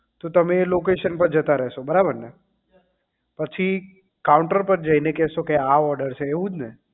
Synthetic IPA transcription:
t̪ot̪əmelokeʃənpəɾd͡ʒət̪aɾɛɦʃobəɾabəɾnə | pət͡ʃʰi | kawʊɳʈəɾpəɾd͡ʒəinekɛɦsokeaɔɾɖəɾt͡ʃʰeːʋũd͡ʒne

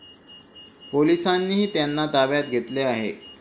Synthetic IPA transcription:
polisanːiːɦiːt̪janːad̪aʋjat̪ɡʱet̪leaɦḛ

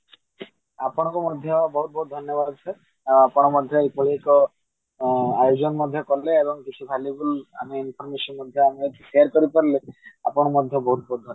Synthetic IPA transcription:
apɔɽ̃kumɔd̪ʱjɔbɔɦut̪̚bɔɦut̪̚d̪ʱɔnjɔbad̪̚t͡ʃʰɛ | apɔɽ̃ɔmɔd̪ʱjɔepɔɦiekɔ | ajod͡ʒɔnmɔd̪ʱjɔkɔɾleebɔŋkit͡ʃʰubʱalibula̰meinpʰɔɾmeʃɔnmɔd̪ʱjɔameʃeaɾkɔɾipɔɾlea̰pɔɽ̃mɔd̪ʱjɔbɔɦut̪̚bɔɦut̪̚d̪ʱɔn

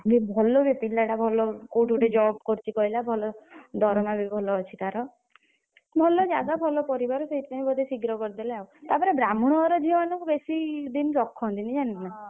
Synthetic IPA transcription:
bibʱɔlɔbipinɖaʈabʱɔlɔkuʈuʈed͡ʒɔbkɔɾt͡ʃʰikɔɦilabʱɔlɔd̪ʱɔɾɔmabibʱɔlɔːt͡ʃʰit̪aɾɔ | bʱɔlɔd͡ʒaɡ̪abʱɔlɔpɔɾibaɾɔseit̪nãjbɔd̪ʱesiɡɾɔkɔɾd̪eleaut̪apɔɾebɾamuɽ̃ɔːɾɔd͡ʒʱiɔmanɔŋkubesid̪inɾɔkʰːɔ̃nt̪inid͡ʒanĩina

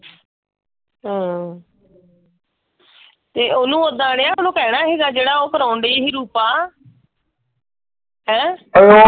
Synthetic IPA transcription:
ɦə̃ː | t̪eːʔoːnũːod̪ãːɽeːaːʊnõːkɛːɽaːɦiːɡaːd͡ʒeːɽaːoːkəɾaːʊɳɖeiːɦiːɾuːpaː | ɦɛ̃ːo

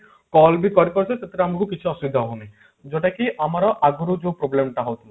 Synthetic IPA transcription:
kɔlbikɔɾipɔɾt͡ʃʰeset̪eɾeamɔkukit͡ʃʰiɔsubid̪ʱaɦoni | d͡ʒɔʈakiʔamaɾɔʔaɡuɾud͡ʒopɾoblemʈaɦowt̪ʰi

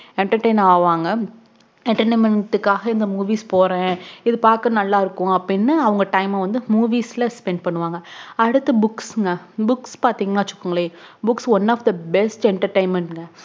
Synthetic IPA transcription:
ɛɳʈɐɾʈeɪnaːʋaːŋɡɐ | ɛɳʈɐɾʈeːmɛʈːɯkːaːɣɐɪnd̪ɐmuːʋiːspoːɾẽːɪðɯpaːɾkɐ̃nɐlːaːɪɾɯkːʊ̃ɐpːɽɪnːɯɐʋɐŋɡɐʈɐɪmɐʋɐnd̪ɯmuːʋiːsɪlɐspɛɳɖ̚pɐɳːɯʋaːŋɡɐɐɽɯt̪ːɐbʊksŋɡɐbʊkspaːɾt̪iːŋɡɐnaːt͡ʃʊ̥kːɯŋɡɐɭeːbʊksʋɔnːaːfd̪ɐbɛsʈɛɳʈɐɾʈɐɪnmɛɳʈŋɡɐ

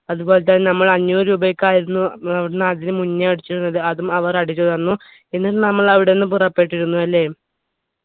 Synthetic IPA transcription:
ɐðubo̞ːlet̪̬ːɐannɐmːɐɭɐɲːuːɾuːbɐjkːaːjiɾunːuɐʋiɽenaːd̪inɨmunːɐɐɽit͡ɕːiɾunːɐðɨɐðumɐʋɐrɐɽit͡ɕːoðɐnːu | e̞nːiʈːɨnɐmːɐɭɐʋiɽeonːɨpurɐpːeʈːiɾunːuɐlːe̞ː

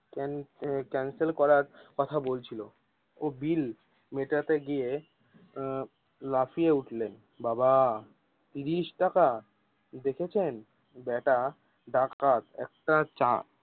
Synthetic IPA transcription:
kɛnkɛnselkɔɾaɾkɔt̪ʰabolt͡ɕʰilo | obil | meʈat̪eɡie | lafʰieuʈlen | baba | t̪iɾiʃʈaka | d̪ekʰet͡ɕʰen | bɛʈa | ɖakat̪ɛ̰k̚ʈat͡ɕa

